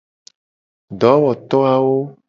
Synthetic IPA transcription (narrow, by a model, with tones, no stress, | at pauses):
ɖɔ˨˦wɔ˨t̪ɔ˦a˨wo˦